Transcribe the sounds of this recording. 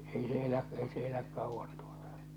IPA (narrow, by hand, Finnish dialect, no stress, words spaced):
ei se elæʔ ei se elæk kɑuʋːɑn tu̥o̥tɑ̥